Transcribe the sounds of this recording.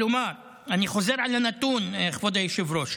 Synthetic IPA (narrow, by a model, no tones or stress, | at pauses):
umaɾ | aniχo̞zeɾʕalanat̪uneχvod̪ajeʃivɾoʃ